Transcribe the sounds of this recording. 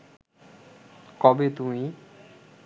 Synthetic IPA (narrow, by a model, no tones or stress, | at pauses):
kɔbet̪umi